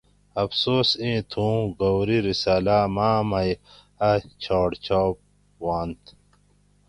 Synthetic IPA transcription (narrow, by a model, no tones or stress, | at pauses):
ɐfsoːsĩːt̪ʰũːɡɐwɾiɾisaːlaːmaːmɐj | ɐt͡ɕʰoːɽt͡ɕʰaːp̚ | waːnt̪ʰ